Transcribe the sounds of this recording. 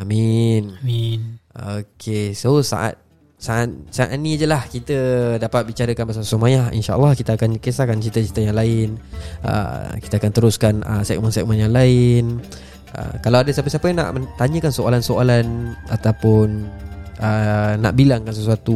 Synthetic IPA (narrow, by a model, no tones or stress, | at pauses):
amin | okʰesosa̰ʔa̰t̪̚ | saʔat̪̚saʔa̰ʔ̪̚nid͡ʒəlahkit̪ədapat̪̚bit͡ʃaɾəkanbas̬asəmajaḭnʃa̰ʔa̰lːahkit̪əakankəsakant͡ʃit̪ət͡ʃit̪ajaŋlaɪnə̰ki̥t̪əakant̪əɾuskanə̰sɛk̚mansɛʔ̚manjaŋlaɪn | ə̰kalawadasapəsapəjna̰ʔmət̪aɲə̃kansoalansoalanat̪awpʊnʔəna̰ʔbilaŋkansəsuat̪u